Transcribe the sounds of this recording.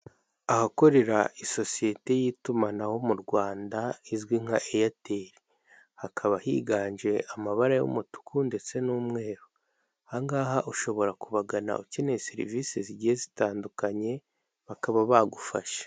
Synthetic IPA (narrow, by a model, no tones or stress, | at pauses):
ahako̞ɾe̞ɾaiso̞sije̞te̞jitumanaho̞muɾɡwaːndaizɡwiŋ̥aʔejateɾi | hakʰaβahiɡaːnʒe̞amaβaɾajo̰mutu̥kunde̞t͡se̞nuːmŋe̞ːɾo | haŋɡaːɦaʔuʃo̞βo̞ɾakuβaɡana̰ucineseɾḭviseziɟihezitaːndukaɲe̞ | βakaβaβaɡufa̰ʃḁ